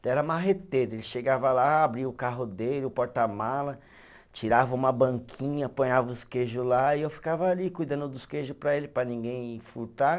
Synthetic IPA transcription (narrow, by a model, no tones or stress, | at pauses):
ɛɾɐmaɦet̪eɾʊelɪʃeɡavɐlaabɾiʊkaɦʊd̪elɪʊpɔɾt̪ɐmalɐ | t͡ʃiɾavɐũmɐbɐ̃ŋkʰĩɲɐpõɲavɐʊskeʒʊlaiewfi̥kavɐalikujd̪ɐ̃nd̪ʊd̪ʊskeʒʊpɾɐelɪpɾɐnĩɡẽj̃fuɾt̪a